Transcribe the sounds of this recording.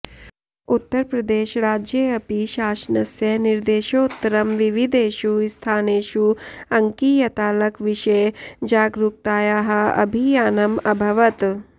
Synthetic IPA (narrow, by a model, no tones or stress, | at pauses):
ut̪ːɐɾpɾɐd̪eːʃɾaːd͡ʒjeɐpiʃaːʃnɐsjɐniɾd̪eːʃout̪ːɐɾɐmʋiʋid̪eːʃust̪ʰaːneːʃuɐŋkiːjɐt̪aːlɐkʋiʃejd͡ʒaːɡɾuk̚t̪aːjaːɦɐ̆ɐ̰bʱijaːnɐmɐbʱɐʋɐt̪